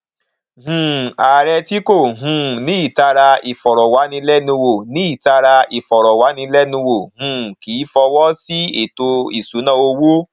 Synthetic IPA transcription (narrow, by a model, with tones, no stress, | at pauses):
ɦũ˨a˨ɾɛ˧ti˦ko˦˨ɦũ˧˦nĩ˨˦i˦˨ta˧ɾa˧i˨fɔ˨ɾɔ˨wa˨˦nĩ˧lɛ˦nũ˧wo˦˨nĩ˨˦i˦˨ta˧ɾa˧i˨fɔ˨ɾɔ˨wa˨˦nĩ˧lɛ˦nũ˧wo˨hũ˨˧˦ki˨˦fɔ˧wɔ˦si˦e˦˨to˧ḭ˨su˨˦nã˦˨o˧wo˦